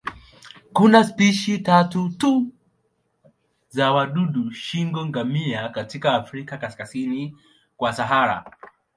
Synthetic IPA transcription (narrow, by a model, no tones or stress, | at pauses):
kunaspiʃitatutu | zawaɗuɗuʃiŋɡɔŋɡamiakatikaːfɾikakaskasini | kwasaɦaɾa̰